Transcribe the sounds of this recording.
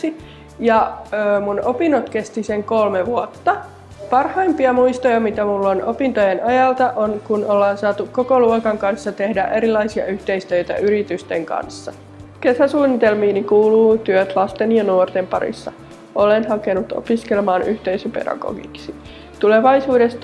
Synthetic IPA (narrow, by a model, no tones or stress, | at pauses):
i | jɑːmunopinːot̪kest̪iseŋkolmeʋuot̪ːɑ | pɑrhɑimpiɑmuist̪ojɑmit̪æmulːonopint̪ojenɑjɑlt̪ɑʔonkunolːɑːnsɑːt̪ukkokoluokɑŋkɑnsːɑt̪ehdæ̰ʔeɾilːˑɑisiɑ̰yht̪eist̪øit̪æ̰yɾit̪yst̪eŋkɑ̰nsːɑ̰ | kesæsuːnːit̪elmiːnikuːluːt̪yøt̪lɑst̪enjɑnuort̪empɑ̰ɾḭsːɑ̰ | olenhɑkenut̪o̰piskelmɑːnʔyht̪eisypḛdɑ̰ɡ̥o̰ɡḭksi̥ | t̪uleʋɑisuːdest̪